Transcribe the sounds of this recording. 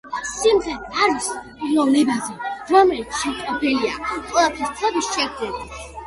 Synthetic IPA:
simʁɛaɾvis | lˠɔvnɛbazɛɾɔmɛlit̪sʰʃɛmk̪ʼɔpʰɛlia̰qʼwɛlˠap̪ʰɛɾt̪ʰavisʃɛɡdɛli

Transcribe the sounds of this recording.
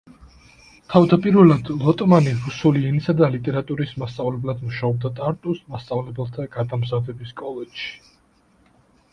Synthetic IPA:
t̪ʰavd̪apʼiɾvɛlˠad̪lˠɔt̪ʼmaniɾusuliɛnisad̪alit̪ʼɛɾat̪ʼuɾismast̪sʼavlɛblad̪muʃaɔb̚d̪at̪ʼaɾt̪ʼusmast̪sʼavlɛbɛlˠt̪ʰaɡ̥ad̪amzavɛbiskʼɔlɛd͡ʒʃi̥

